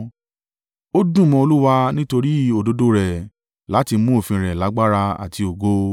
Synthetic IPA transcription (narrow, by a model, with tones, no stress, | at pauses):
o˦dũ˦˨mɔ̃˧o˧lu˦wa˧nĩ˦to˧ɾi˦o˦˨do˧˦do˦ɾɛ˨ | la˨˦ti˧mũ˦o˦˨fĩ˧ɾɛ˨la˨˦ɡ͡ba˦ɾa˧a̰˨ti˧o˨ɡo˦